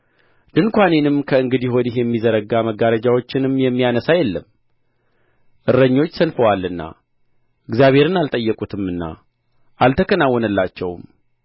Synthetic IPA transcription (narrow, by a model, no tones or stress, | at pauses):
d̪ɨnkʷanenɨmkʰəɨŋɡɨd̪iho̞d̪ihjɛmːizəɾəɡaməɡaɾəd͡ʒawo̞t͡ʃːɪnɨmjɛmːijanəsajɛlːəm | ʔɨɾːəɲːo̞t͡ʃːsənfəwalːɨnːa̰ | ʔɨɡzjaβhe̞ɾɨnalt̪ʼəjːɛkʼut̪ʰɨmːɨnːa̰ | ʔalt̪ʰəkʰənawːɔnəlːat͡ʃːɛwm